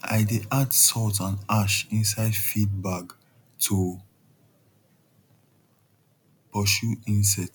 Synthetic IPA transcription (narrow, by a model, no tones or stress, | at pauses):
a̰ɪdeʔadsɔtãnaʃĩnsaɪdfid̚baɡ | tʰu | pɔsuĩnsɛt